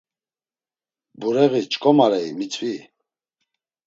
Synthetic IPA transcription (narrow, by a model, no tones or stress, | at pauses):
buɾɛɣit͡ʃʼkʼɔmaɾɛimit͡sʼvi